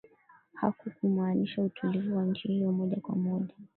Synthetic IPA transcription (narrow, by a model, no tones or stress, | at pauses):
hakukum̩aːniʃautʰulivuwaɲ̩t͡ʃihijɔmɔʄakwamɔʄa